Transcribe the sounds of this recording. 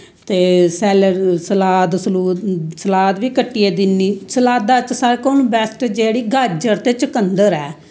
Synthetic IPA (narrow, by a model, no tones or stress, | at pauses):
t̪eːsɛːlsəlaːd̪səluːsəlaːt̪ʋiːkəʈːijeːd̪ɪnːiːsəlaːt̪̚d̪aːt͡ʃsəɾkoːnũːbɛːsʈːd͡ʒeːɽiːɡʱəɾd͡ʒəɾt̪eːt͡ʃəkənd̪əɾɛː